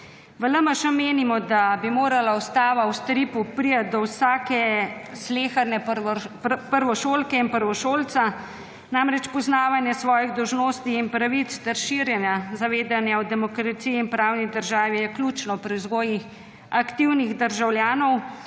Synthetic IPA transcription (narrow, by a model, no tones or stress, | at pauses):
ʋələməʃəmeːnimɔd̪abimoːɾalaust̪aːʋawst̪ɾipupɾijad̪ɔwsaːkɛsleːxaɾnɛ | pəɾʋɔʃoːlkɛinpəɾʋɔʃoːlt̪sa | namɾɛt͡ʃpɔznaːʋanjɛsʋɔːjiɣd̪ɔwʒnoːst̪iinpɾaʋit̪st̪ɛɾʃiɾjɛnjazaʋeːd̪anjawd̪ɛmɔkɾat̪siiːnpɾawnid̪əɾʒaːʋijɛkluːt͡ʃnɔpɾizɡoːjix | akt̪iwniɣd̪əɾʒawljaːnɔw